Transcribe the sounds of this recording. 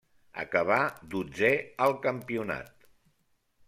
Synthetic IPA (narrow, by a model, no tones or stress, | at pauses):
ə̰kəβad̪ud͡zeəlˠkəmpiuna̰t̪̚